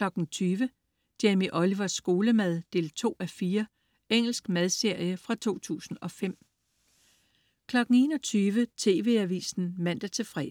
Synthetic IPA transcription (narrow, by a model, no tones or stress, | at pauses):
lɒ̽ɡ̥n̩t͡sʰyːʋə | d̥emiʔɒ̽liʋɒsːɡ̥o̝ːləmæð̞ˠd̥e̝̰ːlt͡sʰo̝̰ːæfiːɐ | eŋ̰l̩sɡ̥mæð̞ˠse̝ɐ̰jəfʁɑ̈t͡sʰo̝̰ːt͡sʰṵːsn̩ɒ̽fem̰ | kʰlɒ̽ɡ̥n̩e̝̰ːnɒ̽t͡sʰyːʋət͡sʰe̝ːʋe̝̰ːæʋḭːsn̩mæn̰d̥æt͡sʰe̝fʁɛ